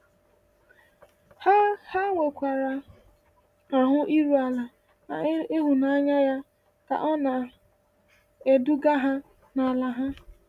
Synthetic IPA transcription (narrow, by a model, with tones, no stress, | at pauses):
ha˦ha˦ŋʷe˨kʷa˨ɾa˨ | a˨ɦʊ˦ʔi˦ɾu˨a˨la˨ | e˦ɦʊ˨na˦a˦ɲa˦ja˦ | ka̰˨ʔɔ˦na˨ | e˨du˦ɡa˦ɦa˦ | na˨la˨ɦa˦